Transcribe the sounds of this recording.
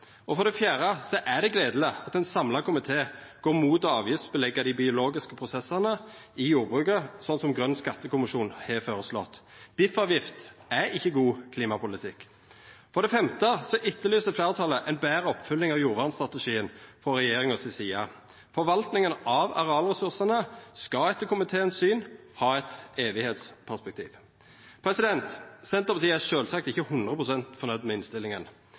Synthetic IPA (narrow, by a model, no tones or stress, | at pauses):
ʔɔfɔd̪ɛfjæːʁəsɔʔæd̪ɛɡleːd̪l̩əɑt̪ɛnsɑmlɑkʊmɪt̪ʰeːɡ̥oːmuːt̪ɔɑːʋjʏst̪bəlɛɡːəd̪ɪbɪʊloːɡɪskəpʰʁʊsɛsəʁnə | ɪjuːʁbʁʉːkəsɔnsɔmɡʁœnːskɑt̪ːəkʊmɪʃuːnhɛfoːʁəslɔ̰t̪b̥ɪfɑːʋjɪft̪æɾɪçːəɡuːkʰliːmɑpʊlɪt̪ʰɪkː | fɔʁd̪ɛfɛmt̪əsɔʔɪt̪ːəlyːsd̪əfleːʁt̪ʰɑlːəʔɛɪnbæːɾəɔpːfʉlːɪŋɑʋjuːɾʋɑːʁnst̪ʁɑt̪əʂiːənfɔɾɛjeːʁɪŋɔsɪsiːɑ | fɔɾʋɑlt̪nɪŋənɑʋɑ̰ʁɛɑlʁɛsʉʁsənəskɑɛt̪ːəkʰʊmɪt̪ʰeːɛnsyːn | hɑːɛt̪eːʋɪheːt̪spʰæʁspɛk̚t̪ʰḭːʋ | pʰɾɛsɪd̪ɛnt̪sɛnt̪əʁpɑt̪iːəæʃøːlsɑk̚t̪ɪçəhʉnd̪ʁəpʰʁʊsɛnt̪fɔʁnœd̪mɛːɪnst̪ɪlːɪŋən